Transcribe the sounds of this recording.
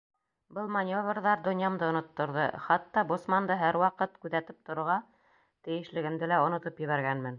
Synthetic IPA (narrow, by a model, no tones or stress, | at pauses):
bɤlˠmanʲjoβrðɑɾd̪ŏnjɑmd̪ɤŏnŏt̪ːŏɾðɤ̰χɑt̪ːɑbosmɑnd̪ɤɦæɾwɑqɤt̪kʉðæt̪ɘp̚t̪ŏɾŏɾʁɑ | t̪ɘ̆jɘ̆ʃlɘ̆ɡɘ̆md̪ɘlæŏnŏt̪opjɘ̆βæɾɡænmɘn